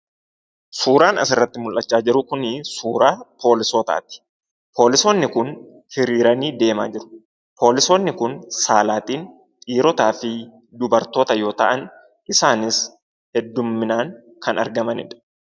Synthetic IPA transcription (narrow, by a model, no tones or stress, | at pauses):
suːɾaːnɐ̰sɪrːɐt̪ːɪmʊlʔɐt͡ʃːaːd͡ʒɪɾʊkʊnɪsuːɾaːpʰo̞ːlɪsoːt̪a̰ːt̪ɪ̥ | pʰo̞ːlɪsoːnːɪkʊn | hɪɾiːɾɐniːd̪e̞ːmaːd͡ʒɪɾʊ̥ | pʰo̞ːlɪsoːnːɪkʊnsaːlaːt̪iːn | t̪ʼiːɾɔt̪aːfɪ | d̪ʊbɐɾt̪o̞ːt̪ɐjo̞ːt̪ɐ̰ʔɐn | ɪsaːnɪs | hɛd̪ːʊmːɪnaːŋ | kʰɐnɐ̰ɾɡɐmɐnɪ̰ᶑɐ̥